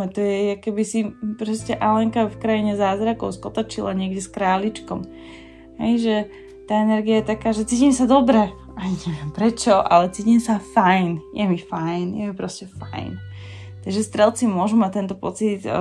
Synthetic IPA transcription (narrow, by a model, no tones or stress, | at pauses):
ɛt̪ɔjɛakɛbisipɾɔscɛʔalɛŋkafkɾajiɲɛzaːzɾakɔʊskɔt̪at͡ʃilaɲɪɛɡɟɛskɾaːlit͡ʃkɔm | hɛ̰jʒɛ | t̪aːɛnɛɾɡiajɛt̪akaːʒɛt͡siːcimsad̪ɔbɾɛ | aaɲɛʋjɛmpɾɛt͡ʃɔʔa̰lɛt͡siːcimsafajnjɛmifajnjɛ̰ɛmpɾɔscɛfa̰jn | t̪aɡʒɛst̪ɾɛlˠt͡simʊɔʒumat̪ɛnt̪ɔpɔt͡sit̪